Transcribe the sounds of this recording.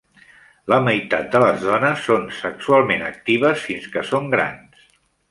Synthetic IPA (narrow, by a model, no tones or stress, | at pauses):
ləməjt̪at̪̚d̪ələzðɔnəsːonsəksualˠmenə̰k̚t̪iβ̞əsfinskəsoŋɡɾa̰ns